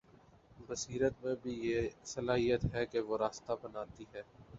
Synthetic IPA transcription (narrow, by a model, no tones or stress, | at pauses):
bəsiːɾət̪mẽbʱijesɐlaːɦijət̪ɦɛkeʋoɾaːst̪abənaːt̪iɦɛː